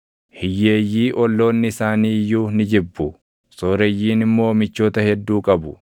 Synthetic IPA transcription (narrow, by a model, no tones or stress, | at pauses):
hɪjːeːjːiːʔɔlːo̞ːnːɪɪsaːniːjuːnɪd͡ʒɪbːʊ | soːɾɛjːiːnɪmːo̞ːmɪt͡ʃːo̞ːt̪ɐhɛd̪ːuːkʼɐbʊ